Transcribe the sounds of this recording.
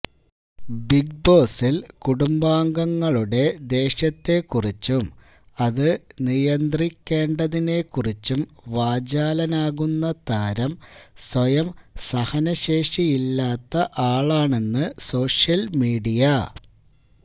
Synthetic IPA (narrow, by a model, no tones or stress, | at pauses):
biɡ̚bo̞ːsilkuɽumbaːŋɡɐŋːɐɭuɽe̞d̪e̞ːɕɐt̪ːe̞kːurit͡ɕːum | ɐðɨnijɐnd̪rikʲːe̞ːɳɖɐðine̞kːurit͡ɕːumʋaːd͡ʑaːlɐnaːɣunːɐt̪aːɾɐmswɐjɐmsɐhɐnɐɕe̞ːʂijilːaːt̪ːɐʔaːɭaːɳe̞nːɨso̞ːʂjɐlmiːɽijɐ